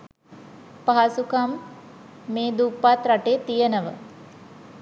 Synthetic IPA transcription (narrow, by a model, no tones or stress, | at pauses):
paɦasukamː | eːd̪upːat̪ɾaʈeːt̪ijənəʋə